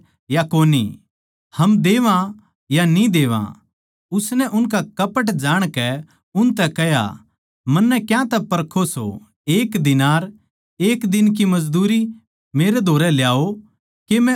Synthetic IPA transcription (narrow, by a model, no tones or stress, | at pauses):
jakoːnḭ | hɐmd̪eːʋã | janĩd̪eːʋã̰ | ʊsnɛʔʊnkakɐpəʈ̬d͡ʒaːɽ̃kɛ | ʊnt̪ɛkɛja̰ | mɐnːɛkjãt̪ɛpɐɾkʰoso̰ | eːkd̪ɪnaːɾ | eːkd̪ɪnk̬imɐd͡ʒd̪uːɾi | meːɾed̪ʱoːɾɛljaːo | kemɛ̃